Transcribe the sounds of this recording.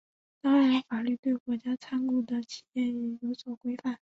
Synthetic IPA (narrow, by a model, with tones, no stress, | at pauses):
t̪ɑ˥ŋɻa˧˥nfa˨˩ly˥˩t̪we˥˩ɪkwɔ˧˥t͡ɕja˥t͡sʰa˥nku˥˩d̪ə˨t͡ɕʰi˨˩jɛ˥˩ny˧˥˩jo˧˥ʊswɔ˨˩kwe˥ɪfa˥˩n